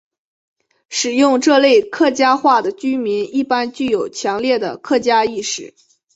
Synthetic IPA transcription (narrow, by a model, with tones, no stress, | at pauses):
ʂɻ̩˨˩jʊ˥˧ŋʈ͡ʂɤ˥˧le˥˧ɪkʰɤ˥˩t͡ɕja˥xwa˥˩d̪ə˩t͡ɕy˥mi˧˥ni˥˩pa˥nt͡ɕy˥˩jo˨˩ʊt͡ɕʰjɑ˧˥ŋljɛ˥˩d̪ə˩kʰɤ˥˩t͡ɕja˥i˥˩˧ʂɻ̩˨˩˦